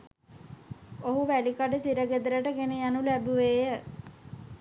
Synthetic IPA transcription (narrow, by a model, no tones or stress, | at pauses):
oɦuʋælikaɖəsiɾəɡed̪əɾəʈəɡenijɑnulæbuʋeːjə